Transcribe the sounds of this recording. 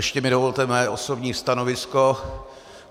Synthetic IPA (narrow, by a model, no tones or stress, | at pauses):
ɛʃcɛmɪdovolt̪ɛmɛjɛʔo̞so̞bɲiːst̪ano̞vɪsko